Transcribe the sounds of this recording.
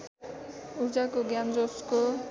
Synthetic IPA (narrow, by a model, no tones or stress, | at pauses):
ud͡ʒakoɡjand͡ʒosko